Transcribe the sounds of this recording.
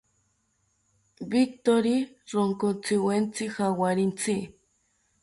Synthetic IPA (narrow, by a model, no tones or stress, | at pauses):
bik̚t̪oɾi | ɾoŋkont͡sɪwent͡sɪxawaɾint͡si